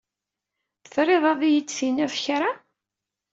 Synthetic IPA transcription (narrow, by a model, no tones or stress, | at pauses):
θθɾˤeðˤɑðˤijət͡sːθinæfçɾa